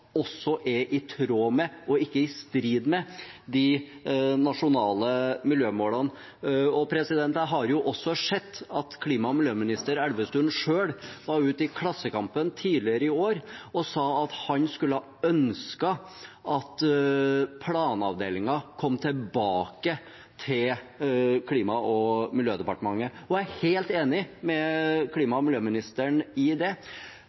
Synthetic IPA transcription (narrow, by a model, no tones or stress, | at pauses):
ɔsːɔʔɛʔɪt̪ʰɾoːmɛɔɪkːəɪst̪ɾiːd̪mɛd̪ɪ | nɑʂʊnɑːləmɪljøːmoːlɑn | ɔpʰɾɛsɪd̪ɛnt̪əɦɑɾjʊʔɔsːɔʂɛt̪ːɑt̪kʰliːmɑmɪljøːmɪnɪst̪əɾɛlʋəst̪ʉnʂøːɽʋɑɾʉːt̪ɪkʰlɑsːəkɑmpənt̪ʰiːdlɪəɾəɪoːɾɔsɑːɑt̪hɑnskʉlːəhɑ | œnskɑ | ʔɑt̪ | pʰlɑːnɑʋd̪eːlɪŋɑkʰɔmːt̪ʰɛlbɑːkə | t̪ʰɪl | kʰliːmɑʔɔmɪljøːd̪ɛpɑʈəmɑŋːəɔæheːlt̪eːnɪmɛkʰliːmɑmɪljøːmɪnɪst̪əɳɪd̪ɛ